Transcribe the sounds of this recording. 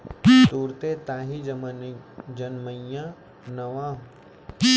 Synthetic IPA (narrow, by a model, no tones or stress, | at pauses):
t̪uːɾt̪et̪aːɦi | d͡ʒɐnməã | nɐʋãː